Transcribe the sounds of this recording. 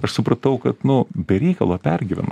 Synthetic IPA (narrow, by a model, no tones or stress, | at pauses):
ɐʃsʊpɾɐt̪ɐʊkɐt̪nʊbʲɛɾʲɛɪkɐlˠoːpʲɛrʲɡʲiːʋʲɛ̰n